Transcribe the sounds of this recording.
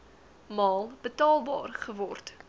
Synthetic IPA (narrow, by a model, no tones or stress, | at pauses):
mɑːlˠb̥ətɑːlˠbɑ̰ːrχəvɔrt